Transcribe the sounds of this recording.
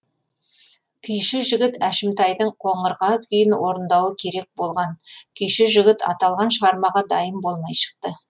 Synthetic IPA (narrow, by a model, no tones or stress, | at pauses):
kʲʰʏjʃɪʒɪɡʲɪt̪æʃɪmt̪ɑjd̪əɴqʰo̞ɴəɾʁɑzkʲʰʏjɪnwo̞ɾənd̪ɑwəkʲʰe̞ɾe̞k̚bo̞lˠʁɑnkʲʰʏjʃɪʒɪɡʲɪt̪ɑ̰t̪ɑlˠʁɑnʃəʁɑɾmɑʁɑd̪ɑjəmbo̞lˠmɑjʃə̥q̚t̪ə